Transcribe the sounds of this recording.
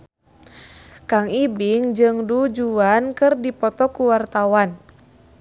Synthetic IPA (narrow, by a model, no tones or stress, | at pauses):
kaŋibiŋd͡ʒɨŋdud͡ʒuankɨrdipɔt̪ɔkuwart̪awan